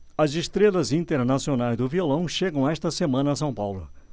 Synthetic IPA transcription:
ɐzest̪ɾelɐzĩnt̪eɾnasionajzd̪ʊviolɐ̃w̃ʃeɡɐ̃w̃aɛst̪ɐsemɐ̃nɐɐs̬ɐ̃w̃pawlʊ̰

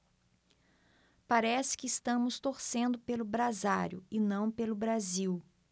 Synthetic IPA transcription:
paɾɛsɪ̥kɪːst̪ɐ̃mʊst̪oɾsẽnd̪ʊpelʊbɾazaɾjʊ̰ɪnɐ̃w̃pelʊbɾaziw

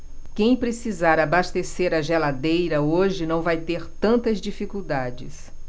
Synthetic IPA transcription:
kẽj̃pɾesizaɾabast̪eseɾɐʒelad̪ejɾɐoʒɪnɐ̃w̃vajt̪eɾt̪ɐ̃nt̪ɐzd͡ʒifikuwd̪ad͡ʒɪ̰s

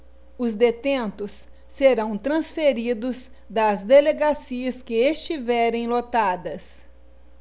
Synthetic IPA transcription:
ʊzd̪et̪ẽnt̪ʊsː | eɾɐ̃w̃t̪ɾɐ̃sfeɾid̪ʊz | d̪ɐzd̪eleɡasiɐskɪest͡ʃivɛɾẽj̃lot̪ad̪ɐs

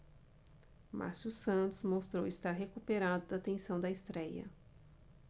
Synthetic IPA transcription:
ma̰ɾsusɐ̃nt̪ʊzmost̪ɾo̰wɪst̪aɾɦekupeɾad̪ʊd̪ɐt̪ẽsɐ̃w̃d̪ɐɪst̪ɾɛjɐ̰

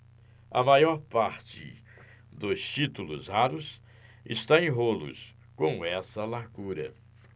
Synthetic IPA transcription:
ɐmajɔɾpaɾt͡ʃɪ̰ | d̪ʊst͡ʃit̪ulʊzhaɾʊs | ɪ̰st̪aẽj̃ɦolʊ̰s | kõw̃ɛsɐlaɾɡuɾɐ̰

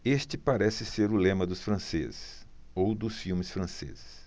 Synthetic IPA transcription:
eʃt͡ʃɪpaɾɛsɪseɾʊlẽmɐd̪ʊsfɾɐ̃sḛzɪs | owd̪ʊsfiwmɪsfɾɐ̃sḛzɪs

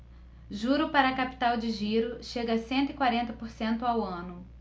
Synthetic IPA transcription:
ʒuɾʊpaɾɐkapi̥t̪awd͡ʒɪʒiɾʊʃeɡɐsẽnt̪ʊɪkwaɾẽnt̪ɐpoɾsẽnt̪ʊawɐ̃nʊ

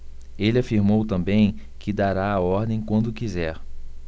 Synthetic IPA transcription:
elɪafiɾmowt̪ɐ̃bẽj̃kʰɪd̪aɾaːɔɾd̪ẽj̃kwɐ̃nd̪ʊkizɛɾ

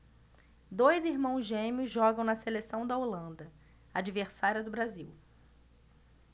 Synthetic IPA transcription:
d̪ojziɾmɐ̃w̃zʒẽmiʊzʒɔɡɐ̃w̃nɐselesɐ̃w̃d̪ɐolɐ̃nd̪ɐ | ad͡ʒiveɾsaɾiɐd̪ʊbɾaziw

